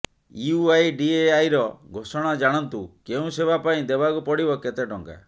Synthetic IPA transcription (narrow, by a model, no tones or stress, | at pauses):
iuajɖieajɾɔɡʱosɔɽ̃ad͡ʒaɽ̃ɔnt̪ukeũsebapaĩd̪ebakupɔɽibɔket̪eɖɔŋka̰